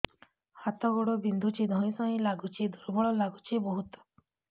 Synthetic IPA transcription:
hat̪ɔɡɔɽɔbind̪ʱut͡ʃʰid̪ʱɔ̃ĩsɔ̃ĩlaɡut͡ʃʰid̪ʱuɾbɔɭɔlaɡut͡ʃʰibɔɦut̪ɔ̥

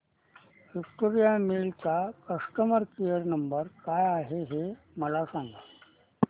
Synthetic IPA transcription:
ʋikʈoɾijamilt͡sakəʂʈəməɾkijəɾnəmbəɾkajaɦeɦe | məlasãŋɡa

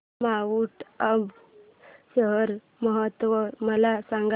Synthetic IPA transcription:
maʋuʈəb | ɕəɦəɾ | məɦət̪ʋəməlasãŋɡ

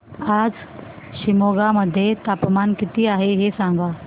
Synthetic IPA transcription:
aːd͡ʑ | ʃɪmoːɡamɐd̪ʱjet̪aːpmaːnkɪt̪iaːɦeɦesãːŋɡaː

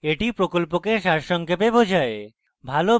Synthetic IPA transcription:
eʈipɾokolpokeʃaɾʃɔŋkʰepebod͡ʑʱae | bʱalo

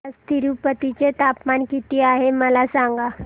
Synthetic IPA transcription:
st̪ʰiɾupət̪it͡set̪apmankit̪iːaɦeməlasaŋɡa

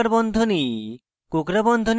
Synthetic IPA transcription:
aɾbɔnd̪ʱoni | kokɾabɔnd̪ʱon

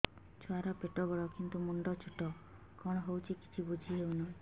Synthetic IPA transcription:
t͡ʃʰɔaɾɔpeʈɔbɔɭɔkint̪umuɳɖɔt͡ʃʰuʈɔ | kɔɽ̃ɔɦowt͡ʃʰiki̥t͡ʃʰibud͡ʒʱiɦewnaĩ

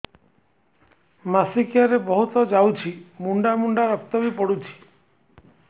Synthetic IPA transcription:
masikijaɾebɔɦut̪ɔd͡ʒawt͡ʃʰimuɳɖamuɳɖaɾɔk̚t̪ɔbipɔɽut͡ʃʰi̥

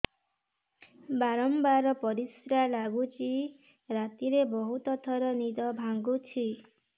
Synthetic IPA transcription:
baɾɔmbaɾɔpɔɾisɾalaɡut͡ʃi | ɾat̪iɾebɔɦut̪ɔt̪ʰɔɾɔnid̪ɔbʱaŋɡut͡ʃʰi

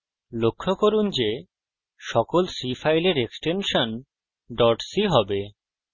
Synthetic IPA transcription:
lokʰːokoɾund͡ʑe | ʃɔkolsifajleɾeksʈenʃon | ɖɔɾʈsiɦɔbe

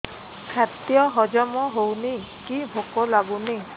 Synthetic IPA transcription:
kʰat̪jɔɦɔd͡ʒɔmɔɦowni | kibʱokɔlaɡuni

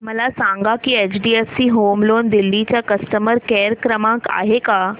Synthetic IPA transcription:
məlasãŋɡakiet͡ɕɖiesːiɦoːmloːnd̪ilːit͡ɕjakəsʈəməɾkɛːɾkɾəmãka̰ːɦeka

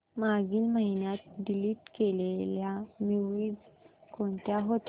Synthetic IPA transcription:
maɡiːlməɦinjat̪̚ɖiliːʈkeleljamuʋiːd͡zkoɳt̪jaɦot̪

